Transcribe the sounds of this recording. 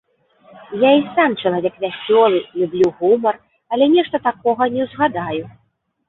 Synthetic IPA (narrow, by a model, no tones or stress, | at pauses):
jaisamt͡ʂɐlˠavʲɛkvʲasʲt͡sʲɔlˠɨlʲublʲuɣumɐr | ɐlʲɛnʲɛʂt̪ɐt̪akɔɣɐnʲɛwzɣad̪aju